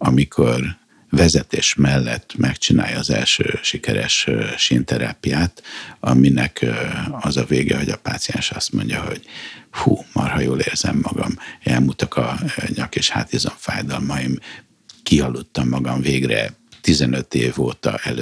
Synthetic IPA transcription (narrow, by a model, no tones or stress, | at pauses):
ɒmikʰor | vɛzɛt̪eːʃmɛlːɛt̪ːmʔɛkt͡ʃina̰ːjɒːzɛ̰lʃøːʃikɛɾɛʃʃint̪ɛɾaːpijaːt̪ɒminɛkʰɒzɒveːɡɛho̞ɟɒpaːt̪sijɛnʃɒst̪mo̞ɲɟɒɦo̞ɟ̥fuːmɒrhɒjoːleːrzɛmːɒɡɒmɛlmuːt̪ɒkʰɒɲɒkeːʃhaːt̪izoɱfaːjd̪ɒlmɒjim | kiɦɒlːut̪ːɒmːɒɡɒmveːɡrɛ̰t̪izɛnøt̪eːvoːt̪ɒʔɛlø